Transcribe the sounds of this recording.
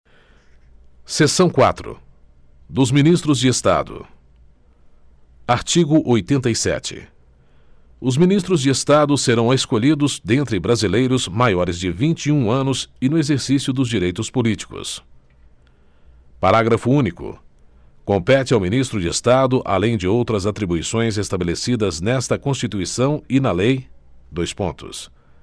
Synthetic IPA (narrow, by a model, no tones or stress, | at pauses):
sesɐ̃w̃kwa̰t̪ɾʊ̰ | d̪ʊzminist̪ɾʊzd͡ʒɪest̪a̰d̪ʊ̰ | aɾt͡ʃiɡʊʔojt̪ẽnt̪ɐjsɛ̰t͡ʃɪ̰ | ʊzminist̪ɾʊzd͡ʒɪest̪ad̪ʊseɾɐ̃w̃eskoʎid̪ʊzd̪ẽnt̪ɾɪbɾazilejɾʊzmajɔɾɪzd͡ʒɪvĩnt͡ʃiũɐ̃nʊzɪnʊezeɾsisjʊd̪ʊzd͡ʒiɾejt̪ʊspolit͡ʃi̥kʊ̰s | paɾaɡɾɐfʊũnikʊ̰ | kõmpɛt͡ʃɪawminist̪ɾʊd͡ʒɪest̪ad̪ʊʔa̰lẽj̃d͡ʒɪowt̪ɾɐzat̪ɾibuisõj̃zest̪abelesid̪ɐznɛst̪ɐkõst͡ʃit̪uisɐ̃w̃ɪnɐlejd̪ojspõnt̪ʊ̰s